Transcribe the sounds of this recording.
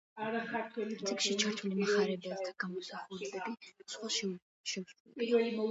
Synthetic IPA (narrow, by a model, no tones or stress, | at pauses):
aɾaχaɾt̪ʰwɛlit̪ikʃit͡ʃʰaɾt̪ʰulimaχaɾɛbɛvt̪ʰaɡamɔsaχuɾɛbɛbisχwaʃɛ | ʃɛɡzɛpiɾɛlimɔ